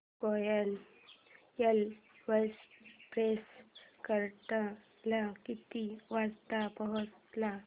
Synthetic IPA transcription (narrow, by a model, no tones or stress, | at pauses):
kɔjal | jal | ʋəspɾeskəɾt̪a | lakit̪iʋast̪apəɦɔt̪la